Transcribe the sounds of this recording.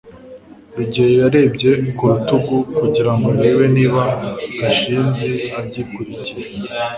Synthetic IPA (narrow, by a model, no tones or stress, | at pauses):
βiɟojejaɾe̞ːbɟe̞kuɾutuɡukuɟiɾaŋɡoɾeweniːβaaʃiːmze̞abɟiːkuɾiciɾe